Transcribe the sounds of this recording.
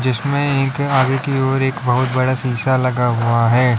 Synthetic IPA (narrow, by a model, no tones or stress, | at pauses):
d͡ʒɪsmẽeːkaːɡekioːɾeːkbɐɦʊt̪̚bɐɽasiːsalɐɡaɦʊaɦɛː